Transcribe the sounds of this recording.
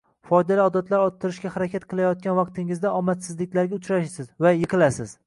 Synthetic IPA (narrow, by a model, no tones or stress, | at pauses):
fɒjd̪aliɒd̪at̪ʰlaɾɒt̪ʰːɪɾɪʃkʲahaɾakʲʰat̪̚qʰɨlˠajɒt̪̚kʲanvɑq̚t̪ʰɪŋɪzd̪aɒmat̪sɪzlɪkʲlaɾɡʲaʊt͡ʃɾaʃsɪzvajɨqʰɨlˠasɪz̥